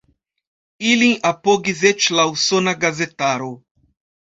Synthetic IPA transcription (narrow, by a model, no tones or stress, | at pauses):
ilĩŋʔapoɡizet͡ʃlawsonaɡazet̪aɾo